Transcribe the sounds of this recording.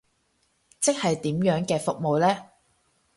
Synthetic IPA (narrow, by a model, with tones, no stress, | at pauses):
t͡sɪ˥k̚hɐ˨jt̪iː˨˥mjœː˨˥ŋkɛː˧fʊ˨k̚mo˨wlɛː˥